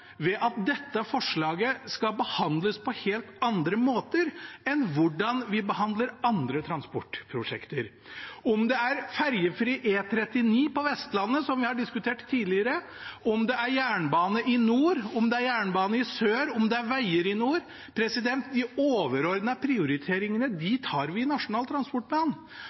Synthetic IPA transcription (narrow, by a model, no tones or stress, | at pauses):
ʋɛʔɑt̪̚d̪ɛt̪ːəfɔʂɭɑːɡəskɑbəhɑnd̪ləspʰɔheːlt̪ɑnd̪ɾəmoːt̪əɾɛnʋʊɖɑnʋɪbəhɑnd̪ləɾɑnd̪ɾət̪ʰɾɑnspɔʈːpʰɾʊʂɛ̰kt̪əɾ | ɔmd̪ɛæɾfæɾjəfɾiːʔeːt̪ʰɾɛt̪ːɪniːpɔʋɛst̪lɑnːəsɔmʋɪhɑɖɪskʉt̪ʰeːʈt̪ʰːiːlɪəɾə | ɔmd̪ɛæɾjæːɳbɑːnəʔɪnuːɾɔmd̪ɛæɾjæːɳbɑːnəɪsøːɾɔmd̪ɛæɾʋæɪəɾɪnuːɾ | pʰɾɛsɪd̪ɛnt̪d̪ɪoːʋəɾɔɾd̪nəpʰɾɪʊɾɪt̪ʰeːɾɪŋənəd̪ɪt̪ʰɑːɾʋɪnɑʂʊnɑːlt̪ʰɾɑnspɔʈ̚ːblɑːn